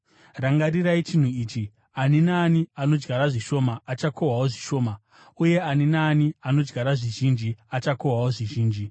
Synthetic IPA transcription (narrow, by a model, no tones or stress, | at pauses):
raŋɡariɾait͡ʃin̤uiːt͡ʃi | aninaːniano̞d͡ʒɡaɾaʐiʃo̞maːt͡ʃako̞wawoʐiʃo̞ːma | uje̞aninaːniano̞d͡ʒɡaɾaʐiʒind͡ʒiat͡ʃakoɦwawoʐiʒiːnd͡ʒi